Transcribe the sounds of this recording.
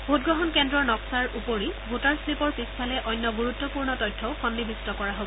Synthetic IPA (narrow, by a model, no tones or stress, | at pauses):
bʱutɡɹɔɦɔnkɛndɹɔɹnɔksaɹupoɹibʱutaɹsɹipɔɹpispʰalɛʔɔjnːɔɡuɹutːɔpuɹnɔtɔjtʰːɔʊkʰɔndibʱistɔkɔɹaɦobɔ